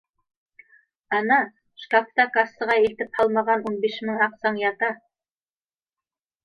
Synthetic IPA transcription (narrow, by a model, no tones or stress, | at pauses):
ɑnɑ | ʃkakt̪ɑkɑsɤ̆ʁɑilt̪ɘp̚hɑlˠmɑʁɑnunbiʃmɘŋɑqsɑŋjɑt̪ɑ